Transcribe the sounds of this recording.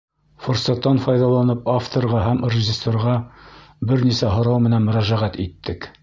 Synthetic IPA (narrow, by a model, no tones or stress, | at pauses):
forsɑt̪ːɑnfɑjðɑlˠɑnɤpaft̪orʁɑɦæmrʲɪʑɪsoɾʁɑbɘɾnisæɦŏɾɑwmɘ̆nænmɵ̆ɾæʒæʁæt̪it̪ːɘk